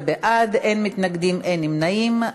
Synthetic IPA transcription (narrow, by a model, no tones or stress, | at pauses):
beʔad̪ejnmit̪naɡd̪imʔenimnaim